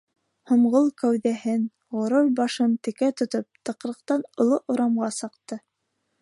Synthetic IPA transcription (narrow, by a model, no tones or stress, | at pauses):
hŏmʁolˠkæwðæɦɘn | ʁŏɾoɾbɑʃɤnt̪ɘ̆kæt̪ŏt̪op̚t̪ɤ̆qɾɤ̆qt̪ɑnŏlˠoʔŏɾɑmʁɑsɤ̆qt̪ɤ